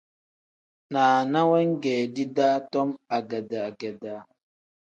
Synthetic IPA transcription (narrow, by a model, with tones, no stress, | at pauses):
naː˨na˦wɛ˦ŋ̩˦ɡɛː˨di˦daː˦tɔ˦ma˨ɡɛ˨da˨a˨ɡɛ˨da˨